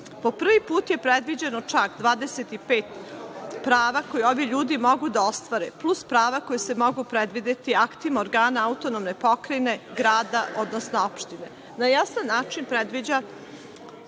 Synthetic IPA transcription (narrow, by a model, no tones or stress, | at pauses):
po̞pr̩ʋipuːt̪je̞pɾed̪ʋid͡ʑe̞not͡ʃakd̪ʋaːd̪eset̪ipeːt̪pɾaːʋako̞jeo̞ʋiʎuːd̪imo̞ɡud̪ao̞st̪ʋaɾeplˠuspɾaːʋako̞jese̞mo̞ɡupɾed̪ʋid̪et̪iakt̪imoɾɡaːnaaut̪onomne̞po̞kɾene̞ɡɾaːd̪aʔo̞d̪nosnoopʃt̪ine | najasanːaːt͡ʃinpɾed̪ʋid͡ʑa